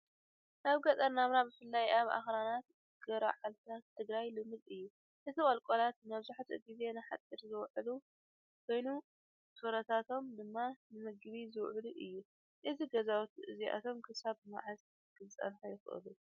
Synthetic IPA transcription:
naβɡɐt̪ʼɐnnamɾabɨfɨlːajʔaβa̰xɾanat̪ | ɡ̥ɐɾa̰ʕalt̪ʰat̪ʰːɨɡɾajlɨmːɨd̪ɨjːu | ʔɨt̪ʰikʼɐlkʼolat̪mɐβzuħt̪ʰɨɡize̞nɨħa̰t̪ʼːɨɾzɨwʕlu | kʰo̞jnu | soɾɐt̪ʰat̪ʰo̞md̪ɨmːanɨmɨɡɨβizɨwʕluʔɨjːu | ʔɨziɡɐzawut̪ʔɨziʔa̰t̪ʰo̞mkʰɨsaβɨma̰ʕaz | kʰɨzɨt͡sʼɐ̰nħojɪxʔɨ̰lu

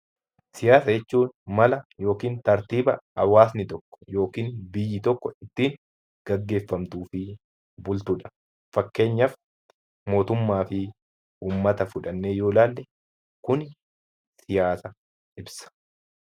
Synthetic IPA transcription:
sɪjaːsɐjɛt͡ʃːuːnmɐlɐjo̞ːkiːnt̪ɐɾt̪iːbɐɐwaːsnɪt̪ɔkːɔ̥jo̞ːkiːnbɪjːɪt̪ɔkːɔɪt̪ːiːŋ | ɡ̥ɐɡːe̞ːfːɐmt̪uːfɪ | bʊlt̪ʊᶑɐ̥ | fɐkːe̞ːɲːɐf | mo̞ːt̪ʊmːaːfɪ | uːmːɐt̪ɐfʊᶑɐnːeːjoːlaːlːɛ | kʊn | sɪjaːsɐ | ɪbsɐ̥

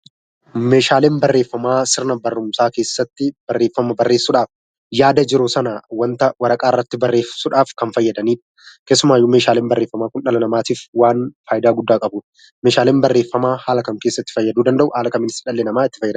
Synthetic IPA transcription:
me̞ːʃaːleːnbɐrːeːfːɐmaːsɪɾnɐbɐrːʊmsaːke̞ːsːɐt̪ːɪb̥ɐrːe̞ːfːɐmɐbɐrːe̞ːsːʊᶑaːf | jaːd̪ɐd͡ʒɪɾoːsɐnawɐnt̪ɐwɐɾɐkʼaːɪrːɐt̪ːɪbɐrːe̞ːfsʊᶑaːfkɐnfɐjːɐd̪ɐniːᶑɐ̥ | ke̞ːsːʊmaːjːumeːʃaːleːnbɐrːeːfːɐmaːkʊnᶑɐlɐnɐmaːt̪iːfwaːnfaːjɪd̪aːɡʊd̪ːaːkʼɐbuːᶑ | me̞ːʃaːleːnbɐrːeːfːɐmaːhaːlɐkɐŋke̞ːsːɐt̪ːɪ̥fɐjːɐd̪uːd̪ɐnd̪ɐʔʊhaːlɐkɐmːɪnɪsɪᶑɐlːenɐmaːɪt̪ːɪ̥fɐjːɐd̪

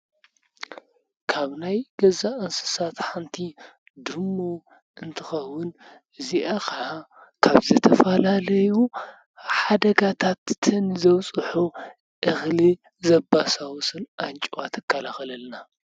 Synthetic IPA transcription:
kʰaβnajɡɐzaʔɨnsɨ̥sat̪ħant̪ʰi | d̪ɨmːo | ɨnt̪ʰɨxɐwːʊn | ɨziʔaxa | kʰaβzɐt̪ʰɐfɐlalɐju | ħad̪ɐɡat̪ʰat̪ːʰɨnzɐwt͡sʼɨħu | ʔɨxli | zɐbasawusɨlʔant͡ʃʼwat̪ʰɨkʰːalaxɐlɐlna

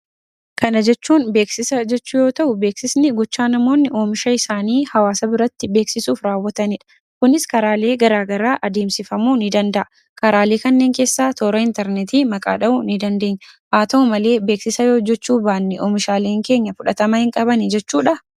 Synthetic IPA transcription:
kʰɐnɐd͡ʒɛt͡ʃːuːnbe̞ːksɪsɐd͡ʒɛt͡ʃːuːjo̞ːt̪ɐʔʊbe̞ːksɪsnɪɡɔt͡ʃːaːnɐmo̞ːnːɪʔoːmɪʃɐɪsaːniːhɐwaːsɐbɪɾɐt̪ːɪbe̞ːksɪsuːfɾaːwːɐt̪ɐnɪᶑɐ̥ | kʊnɪskɐɾaːleːɡɐɾaːɡɐɾaːʔɐd̪eːmsɪfɐmuːnɪd̪ɐnd̪ɐʔɐ | kɐɾaːleːkɐnːe̞ːŋke̞ːsːaːt̪ʰoːɾɐɪnt̪ɛɾnɛt̪iːmɐkʼa̰ːᶑɐʔʊnɪd̪ɐnd̪e̞ːɲːɐhaːt̪ɐʊmɐle̞ːbe̞ːksɪsɐjo̞ːd͡ʒɛt͡ʃːuːbaːɐnːɪʔoːmɪʃaːleːŋke̞ːɲːɐfʊᶑɐt̪ɐmɐhɪŋkʼɐbɐnɪd͡ʒɛt͡ʃːuːᶑɐ

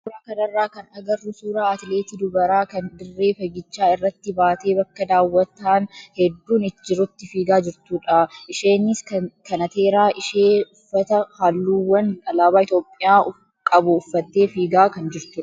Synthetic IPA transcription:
suːɾaːkɐnɐrːaːkɐnɐɡɐrːʊsuːɾaːɐt̪ɪle̞ːt̪ɪd̪ʊbɐɾaːkɐnd̪ɪrːe̞ːfɐɡɪt͡ʃːaːɪrːɐt̪ːɪbaːt̪e̞ːbɐkːɐd̪aːwːɐt̪ːaːnhɛd̪ːuːnɪd͡ʒɪɾʊt̪ːɪfiːɡaːd͡ʒɪɾt̪uːᶑɐʔɪʃeːnːɪskɐkɐnɐt̪e̞ːɾaːʔɪʃeːʊfːɐt̪ɐhaːlːuːwɐnɐlaːbaːɪt̪jo̞ːpʼːɪjaːʊ | kʼɐbʊːfːɐt̪ːeːfiːɡaːkɐnd͡ʒɪɾt̪ʊːɐ

